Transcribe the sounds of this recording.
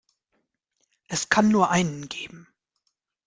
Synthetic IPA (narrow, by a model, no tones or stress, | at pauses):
ʔɛskʰanːuːɐʔaɪnənɡeːbm̩